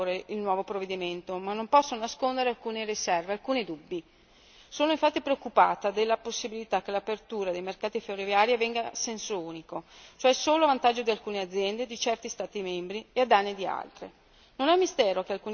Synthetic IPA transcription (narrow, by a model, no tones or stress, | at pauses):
ɾeilnwɔːvopɾovːed̪iment̪omanːompɔsːononaskond̪eɾealkuːnerisɛrvealkuːned̪ubːi | soːnoiɱfat̪ːipɾeokːupaːt̪ad̪elːaposːibilit̪ak̟ːelapert̪uːɾad̪ejmerkaːt̪iferrovjaːɾiavɛŋɡasɛnsouːnikot͡ʃoɛsoːloavant̪ad͡ʒːod̪ialkuːnead̪zːjɛnd̪ed̪it͡ʃɛrt̪ist̪aːt̪imɛmbɾiead̪anːid̪ia̰lt̪ɾe | nonɛmːist̪ɛːɾok̟ealkuːn